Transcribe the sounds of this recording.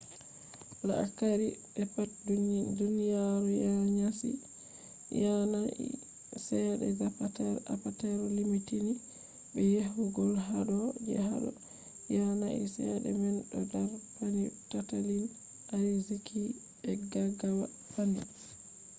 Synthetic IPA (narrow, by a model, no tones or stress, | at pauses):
laakaɾibɛpat̚dudunijaɾujaɲasḭ | janaḭ | sɛɗɛ̰ɡapatɛapatɛɾɔlimitini | bɛjehuɡɔlɦaɗɔd͡ʒɛ̰ɦa̰ɗɔ̰ | janaʔḭsɛɗɛ̰mɛnɗɔ̰ɡaɾpanitatalin | ajzikʰi | ɓɛɡaɡawa | pani